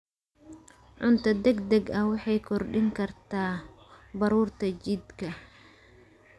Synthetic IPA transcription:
ʕʊnt̪ʰɐd̪ɛɡd̪ɛɡɐwɑħɑjkʰɔrɖɪŋkʰɐrt̪ʰaː | bɐɾuːrt̪ʰɐt͡ʃɪd̪kʰɐ

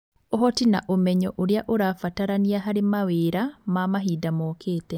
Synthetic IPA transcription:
ohɔtina̰ʔomɛɲɔʔoɾjaʔoɾaːfataɾaniaɦaɾemaweɾamamaɦiːdamɔːkʰeːtɛ

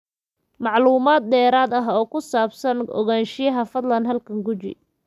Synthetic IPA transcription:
mɑʕluːmaːd̪̚d̪ɛːɾaːd̪ɐɦɔːkʰʊsaːbsɐnɔ̰ɣaːnʃɪjɐɦɐfɐd̪lɐnɦɐlkʰɐŋɡʊt͡ʃɪ̰

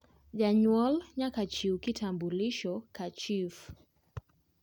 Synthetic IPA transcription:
ʄaɲwalɲakat͡ʃikitʰambuliʃɔkat͡ʃif

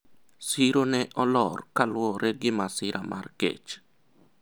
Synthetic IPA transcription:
siɾonɛʔɔlɔrkalwɔɾɛɡɪmasɪɾʔamʔa̰rkḛt͡ʃ

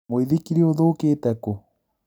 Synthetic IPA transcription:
oiðikiɾeoðoːkeːtɛko

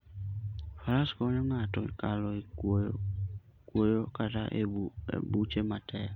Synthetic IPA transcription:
falaskɔnɪ̃mãːtʊ̰kalɔ | kuojɔkata̰ʔḛbut͡ʃemãtʰɛa

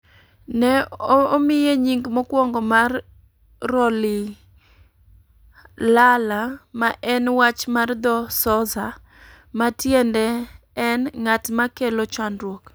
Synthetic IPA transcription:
nɛomɪjeɲiŋɡmɔkwɔŋɡɔmarː | ɔli | lalamaʔɛnwat͡ʃmard̪ɔsɔza | matjɛndɛː | nŋatmakelot͡ʃandɾwok

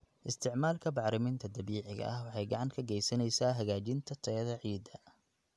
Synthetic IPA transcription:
ʔɪst̪ʰɪʕmaːlkʰɐbɑʕɾɪmɪnt̪ʰɐd̪ɐβiːʕɪɣɐ̰ʔɐhwɑħɑjɡɑʕɑŋkʰɐɡɛjsɐnɛjsaːɦɐɣaːt͡ʃɪnt̪ʰɐt̪ʰɐðɐʕiːd̪ɐ

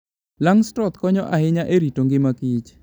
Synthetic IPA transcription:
laŋstɔt̪kɔɲɔʔahɪɲaʔeɾitoŋɡɪmakit͡ʃ

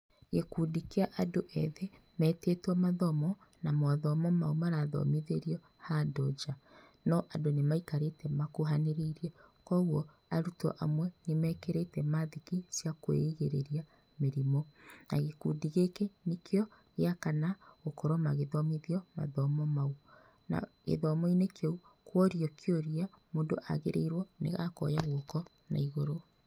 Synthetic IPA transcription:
ɣekudikeaʔadoʔɛðe | mɛːtetwɔmaðɔmɔnamwaðɔmɔmaumaɾaðɔ̰miðeɾiɔ | hadɔd͡ʒa | nɔʔadonemaikaɾetɛmakoɦaneɾeiɾiɛkɔɣwɔ | aɾutɔ̰ʔamwɛnemɛːkeɾetɛmaðikisjakwḛiɣeɾeɾia | meɾimɔna̰ɣekuːdiɣekenekeɔɣeakanaɣokɔɾɔmaɣeðɔmiðiɔma̰ðɔmɔmau | na̰ɣḛðɔmɔinekʰɔukwɔɾjɔkʰeoɾia | moːndoʔa̰ɣeɾʔḛiɾwɔnḛɣakɔ̰jaɣokɔ | na̰iɣoɾo

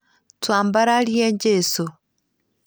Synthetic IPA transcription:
twaːmbaɾaljeɲɟeso

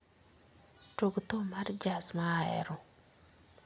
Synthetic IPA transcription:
toɡt̪omard͡ʒasmaɛ̰ɾɔ

